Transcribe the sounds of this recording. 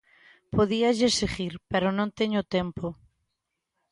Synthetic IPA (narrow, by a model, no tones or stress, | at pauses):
poðiaʎeseɣiɾpeɾonõnt̪eɲot̪empo